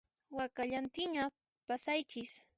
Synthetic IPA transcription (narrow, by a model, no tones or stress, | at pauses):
wakaʎant̪ɪɲa | pasajkɪs